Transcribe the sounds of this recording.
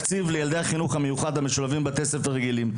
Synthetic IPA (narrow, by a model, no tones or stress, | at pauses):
kt͡sivlejald̪e̞jhaχinuχhamejuχad̪hameʃulavimbeke̞sefaʁeɡilim